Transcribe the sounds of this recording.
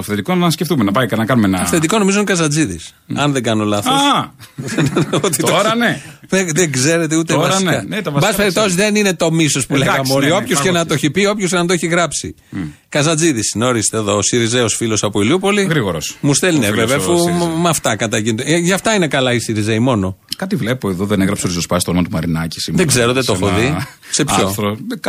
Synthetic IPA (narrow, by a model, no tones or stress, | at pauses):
t̪ofθet̪ikonɐscefθumenɐpɐjkɐnɐkɐnumenɐfθed̪iko̞no̞mizonkɐzɐd͡ziðḭs | ɐnðeɡɐnolɐθos | not̪it̪ooɾɐneeðeɡze̞ɾet̪eut̪evɐsikɐnt̪ɐvɐbɐsspeɾip̚t̪o̞sizðeninet̪o̞misospuleɣɐmeoɾio̞ppçoskenɐt̪oçipio̞pços̬cenɐt̪oeçiɣɾɐpsḭ | kɐzɐd͡ziðisno̞ɾist̪eːðo̞siɾizeosfilo̞sɐpoiliupo̞liɣɾiɣoɾosmust̪elneveveɐfumɐft̪ɐkɐt̪ɐʝint̪oʝɐft̪ɐine̞kɐlɐisiɾizeimo̞no̞kɐt̪ivlepoeðoðeneɣɾɐpseoɾizospɐst̪onomɐt̪umɐɾinɐci̥siðeɡze̞ɾot̪et̪ofoððise̞pçoθɾo